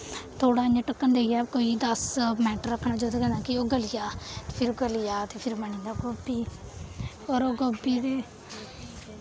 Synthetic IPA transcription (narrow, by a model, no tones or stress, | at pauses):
t̪ʰoːɽaːɪɲãʈəkːənd̪eːjɛːkoːiːd̪əsmɛːʈəɾəkʰːnaːd͡ʒoːt̪eːkɛ̃ːnd̪ãːkɪoːɡəlɪjaːpʰɪɾɡəlɪjaːt̪eːpʰɪɾməɳĩːd̪aːɡobiː | ɔːɾoːɡobiːd̪eː